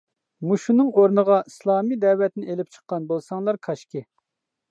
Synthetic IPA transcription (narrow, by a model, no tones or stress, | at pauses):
muʃunɨŋoɾnəʁɑislˠɑːmid̪ɛwɛt̪nɪʔelɪp̚t͡ʃʰə̥qːɑnbolˠsɑŋlˠɑɾkʰɑʃkʲɪ